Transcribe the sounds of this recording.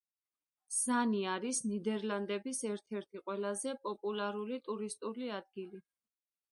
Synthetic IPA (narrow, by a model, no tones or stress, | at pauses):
z̥aniaɾisnid̪ɛɾland̪ɛbisɛɾt̪ʰɛɾt̪ʰiqʼwɛlazɛpʼɔpʼulˠaɾulit̪ʼuɾist̪ʼuliad̪̚ɡili